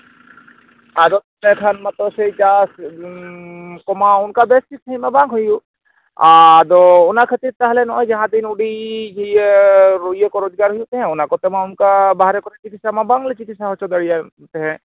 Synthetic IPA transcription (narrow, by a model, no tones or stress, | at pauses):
ad̪ɔt̪nɛkʰanmãt̪ɔsejt͡ʃas | kɔmaʊnkabɛst̪it̪̚t̪ʰəimabãŋɡɦuju | ad̪ɔʊnakʰət̪iɾt̪aɦlɛnɔɔjd͡ʒaɦãd̪inuɖid͡ʒijɾojɔkɔɾɔd͡ʒɡaɾɦujut̪ɛɦɛ̃ʊnakɔt̪ɛmãʊnkabaɦaɾɛkɔt̪ʰɛt͡ʃikit̪samabãŋɡlɛt͡ʃikit̪saɦɔt͡ʃʰɔd̪əɽija | t̪ɛɦɛ̃